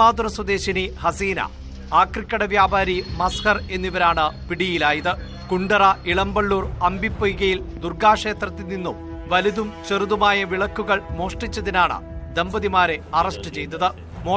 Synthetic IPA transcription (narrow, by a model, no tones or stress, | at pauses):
aːd̪urɐswɐd̪e̞ːɕinihɐsiːnɐ̰ | aːkrikʲːɐɽɐʋjaːbaːɾimɐskɐre̞nːiʋɐɾaːɳɨpiɽijilaːjɐðɨ | kuɳɖɐrɐiɭɐmbɐɭːuːrɐmbʱipːojuɣɐjil | d̪urɡaːʂe̞ːt̪rɐt̪ːininːum | ʋɐliðumt͡ɕɐruðumaːjɐʋiɭɐkːuɣɐɭmo̞ːʂʈit͡ɕːɐðinaːɳɨ̰d̪e̞mbɐðimaːɾe̞ɐrɐʂʈɨt͡ɕe̞jt̪ːɐðɨ | moː